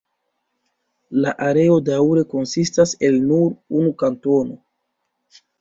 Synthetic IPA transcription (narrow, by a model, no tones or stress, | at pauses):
laʔaɾe̞o̞dawɾe̞ko̞nsistase̞lnuɾunukanto̞no̞